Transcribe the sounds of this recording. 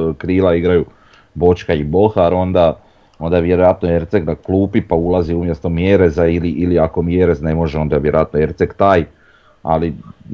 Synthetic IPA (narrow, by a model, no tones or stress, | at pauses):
kɾiːlaiɡɾaju | bo̞t͡ʃkaibo̞xaɾo̞nd̪a | o̞nd̪aʋjeɾo̞jat̪noe̞ɾt̪seknakluːpipaulˠaziumje̞st̪o̞mjeɾezailiʔiliako̞mjeɾe̞zne̞mo̞ʒeo̞nd̪aʋje̞ɾoat̪noe̞ɾt̪sekt̪aːj | a̰li